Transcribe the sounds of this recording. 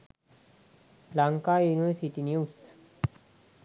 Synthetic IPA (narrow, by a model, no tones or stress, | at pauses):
laŋkajuniʋəɾsiʈinjus